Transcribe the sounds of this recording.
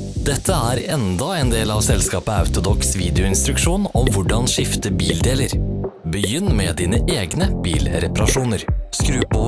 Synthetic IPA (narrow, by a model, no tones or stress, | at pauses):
d̪ɛt̪ʰːəæːɾɛnd̪ɑɛːnd̪eːlɑʋsɛlskɑːpəɑ̰ʉt̪ʊd̪ɔksʋiːd̪ɪʊɪnst̪ɾʉkʂuːnɔmʋʊɖɑnʂɪft̪əbiːld̪eːləɾbəjʏnːmeːd̪iːnəʔeːɡnəb̥iːlɾɛpɑɾɑʂuːnəɾskɾʉːpo